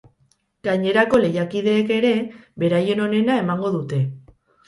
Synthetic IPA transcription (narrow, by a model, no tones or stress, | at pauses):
ɡ̥aɲe̞ɾako̞le̞jakið̞e̞ːke̞ɾe̞βe̞ɾaje̞no̞ne̞nae̞maŋɡo̞ðut̪e̞